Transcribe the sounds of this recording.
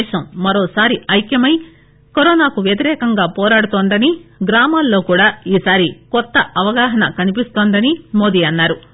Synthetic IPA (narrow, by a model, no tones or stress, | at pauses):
ʃɐmːɐɾoːsaːɾiɐjkjɐmɐj | koɾɔːnaːkuʋjɐt̪̬iɾɛːkɐŋɡaːpɔːɾaːɽut̪oːnd̪ɐniɡɾaːmaːlːo̞ːkuːɽaːiːsaːɾikɔt̪ːɐɐʋɐɡaːɦɐnɐ̰kɐnipist̪oːnd̪ɐnimoːd̪iːɐnːaːɾu